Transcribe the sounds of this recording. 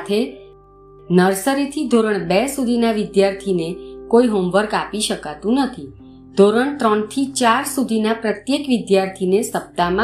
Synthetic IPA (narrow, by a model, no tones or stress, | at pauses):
t̪ʰe | nəɾsəɾit̪ʰid̪ʱoɾəɳbɛsud̪ʱinaʋɪd̪jaɾt̪ʰinekoiɦomʋəɾɡapiʃəkat̪ũnət̪ʰi | d̪ʱoɾəɳt̪ɾəɳt̪ʰit͡ʃaɾsud̪ʱinapɾət̪jekʋɪd̪jaɾt̪ʰinesəp̚t̪amã